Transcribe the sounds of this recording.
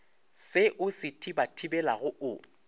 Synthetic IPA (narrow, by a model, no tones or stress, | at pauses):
sɪʔʊsɪtʰʼibatʰibɛlaɣʊʊ